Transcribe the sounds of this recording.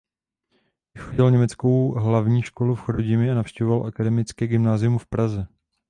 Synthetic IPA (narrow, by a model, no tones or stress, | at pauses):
vɪxoɟɪlɲɛmɛt͡sko̞wɦlavɲiːʃko̞lufxoɾoɟɪmɪanafʃcɛɦovalʔakadɛmɪt͡skɛːɡɪmnaːzɪjumfpɾazɛ